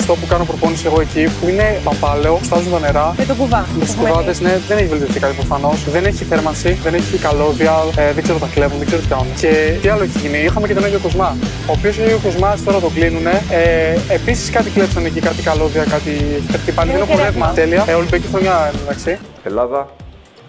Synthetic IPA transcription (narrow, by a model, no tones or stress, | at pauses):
ɐft̪o̞pukɐno̞pɾo̞po̞nise̞ɣo̞e̞cipuine̞pɐmbɐle̞o̞st̪ɐzunt̪ɐne̞ɾɐmet̪oɡuvɐmet̪iskɾvɐðe̞zne̞ðeneçivelt̪iofθikɐt̪ipɾofɐno̞sðeneçiθeɾmɐnsiðeneçikɐlo̞ðiɐðeɡze̞ɾot̪ɐkle̞vunðeɡzeɾt̪ikɐnce̞t̪iɐlo̞eçeʝiniixɐmecet̪oneʝoko̞zmɐ | oːpioseeʝokozmɐst̪o̞ɾɐt̪o̞klinune̞eːpisi̥skɐt̪iklepsɐnecikɐt̪ikɐlo̞ðiɐkɐt̪ikɐt̪t̪ipɐliðenopolevmɐt̪e̞liɐeolibecixɾoɲɐðɐksi | elaðɐ